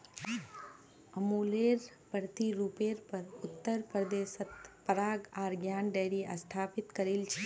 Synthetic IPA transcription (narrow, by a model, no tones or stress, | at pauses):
əmuːleːɾ | pəɾt̪iɾuːpeɾpəɾʊt̪ːəɾpɾəd̪eːsət̪pəɾaːɡaːɾɡjaːnɖeɽiʔə̰st̪ʰaːpɪt̪kəɾilt͡ʃʰe